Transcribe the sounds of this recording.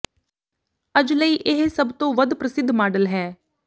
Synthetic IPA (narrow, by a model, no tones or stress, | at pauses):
əd͡ʒləiːʔɪɦsəbt̪õːʋəd̪pɾəsɪd̪ʱːmaːɖəlɦɛː